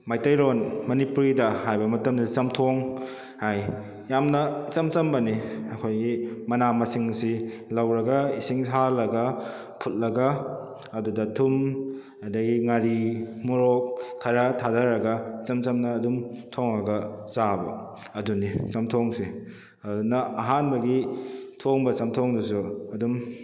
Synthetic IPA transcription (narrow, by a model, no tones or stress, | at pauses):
majtajɾonmɐnipuɾidɐɦajbɐmɐtɐmdɐst͡ʃɐmtʰoŋ | haj | jamnɐit͡ʃɐmt͡ʃɐmbɐniɐkʰojɡimɐnamɐsiŋsilawɾɐɡɐisiŋsalɐɡɐ | pʰut̚lɐɡɐ | ɐdudɐtʰum | ɐdɐɡiŋaɾimuɾokʰːɐɾɐtʰadɐɾɐɡɐit͡ʃɐmt͡ʃɐmnɐːdumtʰoŋɐɡɐzabɐ̰ | ɐdunit͡ʃɐmtʰoŋsi | ɐdunɐɐɦanbɐɡitʰoŋbɐt͡ʃɐmtʰoŋdus̬uɐdum